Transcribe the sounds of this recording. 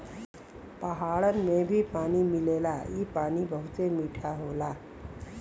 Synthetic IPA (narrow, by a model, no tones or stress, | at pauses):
pəɦaɭənmebʱipanimilelaipanibʱəut͡semiʈʰaɦola